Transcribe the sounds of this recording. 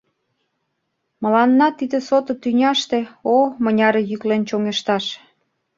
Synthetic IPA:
mə̆lɑnːɑt̪id̪ĕsot̪ŏt̪ynʲɑʃt̪ĕomə̆nʲɑɾejyklent͡ɕoŋeʃt̪ɑʃ

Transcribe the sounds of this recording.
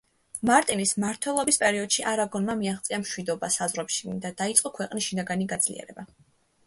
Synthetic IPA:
maɾt̪ʼinismaɾt̪ʰwɛlˠɔbispʼɛɾiɔd̪̥ʃiʔaɾaɡɔnmamiaχt̪sʼiamʃwid̪ɔbasazʁɾɛpʃi̥d̪ad̪ait̪sʼqʼɔkʰwɛqʼnisʃinaɡaniɡad̪z̥lḭɛ̰ɾɛ̰ba

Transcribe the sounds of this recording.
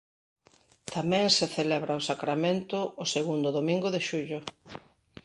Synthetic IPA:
t̪amɛ̃ŋseθelɛβɾaosakɾamẽnt̪ʊːseɣund̪ʊðomĩŋɡʊðɪʃuʎʊ

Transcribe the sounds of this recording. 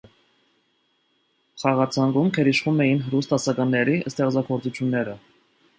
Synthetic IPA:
χɑʁɑt͡sʰɑŋɡumkʰɛɾiʃχumɛjinɦəɾust̪ɑsɑkɑnːɛɾiʔəst̪ɛʁd͡zɑkʰɔɾt͡sut͡sʰjunːɛɾə

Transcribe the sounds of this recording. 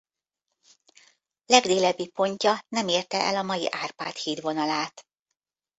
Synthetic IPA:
lɛɡd̪eːlɛbːipo̞ɲcɒnɛmeːrt̪ɛʔɛ̰lɒmɒjḭʔaːrpa̰ːt̪hiːd̪ʋo̞nɒlaːt̪

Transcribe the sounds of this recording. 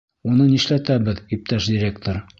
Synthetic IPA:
unɤniʃlæt̪æbɘðip̚t̪æʃdʲɪɾʲe̞kt̪oɾ

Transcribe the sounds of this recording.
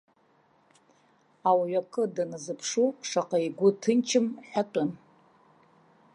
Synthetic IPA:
awɥakʰʼɨdanazɨpʰʂuʂaqʼaiɡʷʊtʰɨnt͡ʃʰɪmħʷᶣatʼʊn

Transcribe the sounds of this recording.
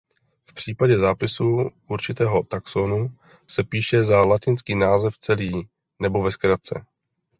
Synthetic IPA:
fpr̝̥iːpaɟɛzaːpɪsuʔuɾt͡ʃɪt̪ɛːɦo̞t̪aksonu | sɛpiːʃɛzalacɪnskiːnaːzɛft͡sɛliː | nɛbo̞vɛskɾat͡sɛ̰

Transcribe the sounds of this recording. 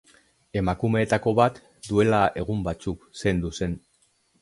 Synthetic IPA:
e̞makume̞ːt̪ako̞βat̪ | d̪ue̞lae̞ɣ̞umbat͡sukse̞nd̪use̞n

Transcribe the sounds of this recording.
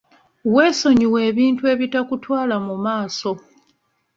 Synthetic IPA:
we̞ːso̞ɲiweːβiːntue̞ːβitakutwaːlamumaːso̞

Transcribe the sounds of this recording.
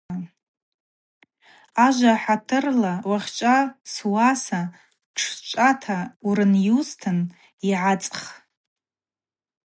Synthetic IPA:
aʒʷaħatʰɨrlawaχʲt͡ʃʷʼaswasa | ʈ͡ʂʰt͡ʃʷʼatʰauɾɨnjustʰɨn | iʕat͡sʼχ

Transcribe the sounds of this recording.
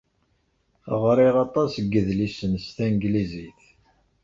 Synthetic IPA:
ʁɾˤiʁɑt̪ˤɑsɡːəðlisənst̪ænɡliziθ

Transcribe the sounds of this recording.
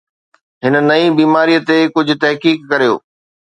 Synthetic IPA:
ɦɪnənɐĩbiːmaːɾijət̪ekʊd͡ʑʱʊ̆t̪ɐɦkiːkːɐɾijo̰ː

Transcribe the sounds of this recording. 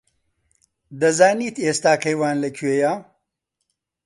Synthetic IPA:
d̪ɐzaːniːt̪eːst̪aːkɐjwaːnlɐkʰuwejaː

